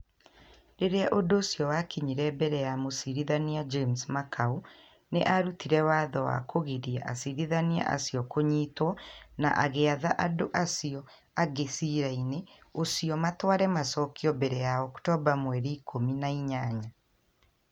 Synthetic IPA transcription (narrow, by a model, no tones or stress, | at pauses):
ɾeɾeaʔodosiɔwakiɲiɾɛbɛɾɛjamosiɾiðaniad͡ʒemsmakʰau | neʔaɾutiɾɛwaːðɔwa̰kʰoɣiɾiɛʔasiɾiðania̰ʔa̰siɔkoɲiːtwɔna̰ʔaɣeaðaʔadoʔasiɔ | aɡesiɾaine | osijɔmatwaɾɛmasɔkiɔbɛɾɛjaɔktɔbamwɛɾiːkʰominaiɲaɲa